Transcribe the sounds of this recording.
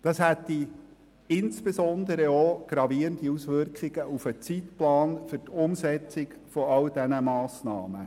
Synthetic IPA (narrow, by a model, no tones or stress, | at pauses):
d̥ɑshætːi | ɪnsb̥esɔnd̪əɾəɔɡ̥ɾɑviəntiusʋʏrkχiɡ̥əʔufət͡sitplɑːnfɵɾtʊmsɛt͡sɪɡ | fɔɑld̥ɛnəmɑːsnɑ̰ːmə̰